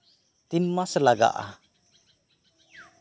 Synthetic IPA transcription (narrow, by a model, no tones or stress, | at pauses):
t̪inmasɛlaɡa̰ʔa̰